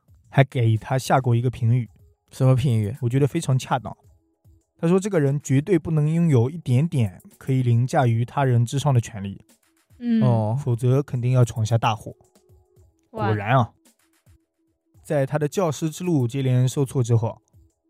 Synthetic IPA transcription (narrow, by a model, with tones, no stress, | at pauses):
xa˧˥ɪke˨˧˩ɪi˨˩t̪ʰa˥ɕja˥˩kwɔ˨˩i˧˥ɡə˧pʰi˧˥ŋy˨˩˦ | ʂə˧˩mə˧pʰi˧˥ŋy̰˧˩wɔ˨˩t͡ɕɥɛ˧˥d̪ə˧fe˥ɪʈ͡ʂʰɑ˧˥ŋt͡ɕʰja˥˧t̪ɑ̰˨˩˦ | t̪ʰa˥ʂwɔ˥ʈ͡ʂɤ˥˩ɡə˩ɻə˧˥nt͡ɕɥɛ˧˥t̪we˥˧ɪpu˥˩nɤ˧˥ŋjʊ˥ŋjo˨˩ʊi˥˩t̪jɛ˧˥nt̪jɛ˨˩˦nkʰɤ˧˥i˨˩li˧˥ŋt͡ɕja˥˩y˧˥t̪ʰa˥ɻə˧˥nʈ͡ʂɻ̩˥ʂɑ˥˩ŋd̪ə˩t͡ɕʰɥɛ˧˥nli˥˩ | ɔ˥˧˩fo˨˩ʊt͡sɤ˧˥kʰə˨˩nt̪̬i˥˧ŋjɑ˥˩ʊʈ͡ʂʰwɑ˨˩ŋɕja˥˧t̪a˥˧xwɔ̰˥˩ | kɔ˨˩ɻa˧˥nɐ˨˧ | t͡sa˥˩ɪt̪ʰa˥d̪ə˨t͡ɕjɑ˥˩ʊʂɻ̩˥ʈ͡ʂɻ̩˥lu˥˩t͡ɕɛ˧˥˩ljɛ˧˥nɻə˧˥nʂo˥˧ʊt͡sʰwɔ˥˩ʈ͡ʂɻ̩˥xo˥˩ʊ